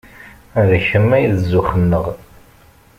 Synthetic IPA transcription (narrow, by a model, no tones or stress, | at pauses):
ðæçəmːæjðzːʊχənːəʁ